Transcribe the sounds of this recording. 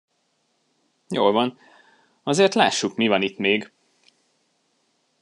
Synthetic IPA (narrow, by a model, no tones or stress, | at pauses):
jo̰ːlvɒn | ɒzeːrt̪laːʃːukmivɒnit̪meːɡ